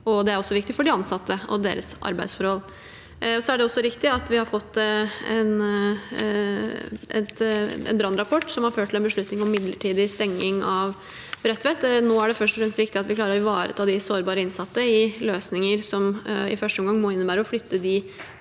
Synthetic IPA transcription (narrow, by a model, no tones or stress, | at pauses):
ɔd̪ɛæɾɔsːɔʋɪkt̪ɪfɔɖɪɑnsɑt̪ːəɔ̰d̪ḛːɾəsɑ̰ɾbæɪd̪sfɔɾhɔl | ɔsɔæɖɛɔsːɔɾɪkt̪ɪɑt̪ʋɪhɑɾfɔt̪ːɛ̰n | ʔɛ̰t̪ɛ̰nbɾɑnːɾɑpʰɔʈːsɔmhɑɾføːʈʰːɪlɛnbəʂɭʉt̪nɪŋɔmːɪd̪ləʈʰiːd̪ɪst̪ɛŋːɪŋɑʋ | bɾɛt̪ːʋɛt̪noːæɖɛfœʂʈɔfɾɛmst̪ʋɪk̚t̪ɪɑt̪ʋɪkʰlɑːɾəɾʋɑːɾə̰t̪ʰɑːd̪ɪsoːɾbɑːɾəɪnsɑt̪ːəɪløːsnɪŋəɾsɔmɪ̰fœʂʈəɔmŋɡɑŋmɔːɪnːəbæːɾəɔflʏt̪ʰːəd̪ɪ